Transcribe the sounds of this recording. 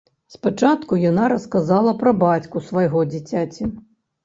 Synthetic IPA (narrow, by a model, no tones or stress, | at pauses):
spat͡ʂat̪kujanaɾɐskazalˠɐpɾɐbat͡sʲkusvɐjɣɔd͡zʲit͡sʲat͡sʲi